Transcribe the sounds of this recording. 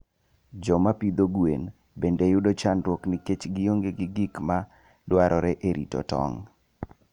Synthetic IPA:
d͡ʒɔmapid̪oɡwḛn | bendejʊdot͡ʃanɾwoknɪket͡ʃɡɪjoŋɡeɡɪɡikma | dwaɾʔɔɾɛʔeɾʔḭtɔ̰tɔ̰ŋ

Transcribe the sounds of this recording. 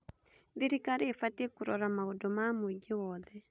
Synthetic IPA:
ðiɾikaɾeːfatiekuɾɔɾamaodomamoiɡewɔːðɛ

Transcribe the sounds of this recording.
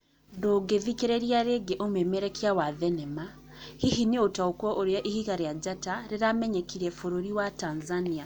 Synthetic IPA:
ndoːɡeðikeɾɛɾjaɾeɡeʔomemɛɾɛkjawaðɛnɛma | hihiniotaokɔʔoɾjaʔihiɣaɾejad͡ʒataɾeɾamɛɲɛkiɾɛfoɾoɾiwatanzania

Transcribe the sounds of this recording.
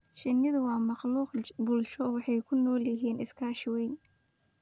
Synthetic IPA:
ʃɪnːɪðʊwɑːmɑqluːqbʊlʃɔwɑħɑjkʰʊnɔːljɪɦiːnɪskʰaːʃwɛjn

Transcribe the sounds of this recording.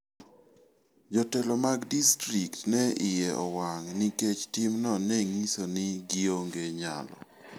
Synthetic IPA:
d͡ʒɔtɛlɔmaɡdistɾiktnɛɪjɛʔɔwaŋniket͡ʃtimnɔnɛŋisonɪɡioŋɡeɲa̰lɔ̰

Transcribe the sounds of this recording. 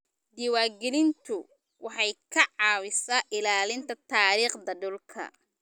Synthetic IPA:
d̪ɪwaːɡɛlɪnt̪ʰʊ | wʔɑħɑjkʰɐʕɑːwɪsaʔɪlaːlɪnt̪ʰɐt̪ʰaːɾiːχd̪ɐɖʊlkʰɐ̰

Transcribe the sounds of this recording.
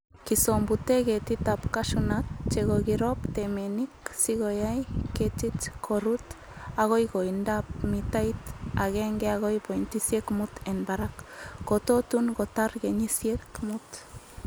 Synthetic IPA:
kisombut̪eɡet̪it̪apkaʃunat͡ʃeɡoɡiɾopt̪emeniksiɣojajket͡ʃit͡ʃkʰoɾut̪ | aɣojɡoind̪ap̚mit̪ajt̪aɣeŋɡeaɣojpojnt̪isiekmut̪enbaɾakːot̪ot̪uŋɡot̪aɾɡeɲisiekmut̪

